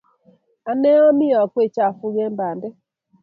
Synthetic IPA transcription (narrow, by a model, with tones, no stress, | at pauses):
a˨nɛ˦ɔ˦mi˦ɔ˨kwe˦˨t͡ʃa˦˨fu˦ɣɛ˦mba˨ndɛ˦